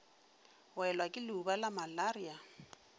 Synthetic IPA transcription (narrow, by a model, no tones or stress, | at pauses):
wɛlwakʼɪlʊubalamalaria